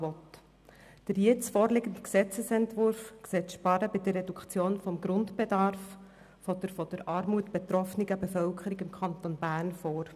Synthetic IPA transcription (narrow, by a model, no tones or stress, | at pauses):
ɔt | d̥əɾjɪt͡sfɔːɾlɪɡəntksɛt͡səsɛntvʊɾfkseːtʃpɑɾəbɪd̥ərːɛdukt͡sjoːnfɔmɡɾʊntb̥edɑrf | fɔd̥əɾfɔd̥əɾʔɑːɾmuətb̥ɛt̪ɾɔfniɡəbɛfœlkʰəɾiɡɪmkʰχɑnt̪onbæːrnfoːɾ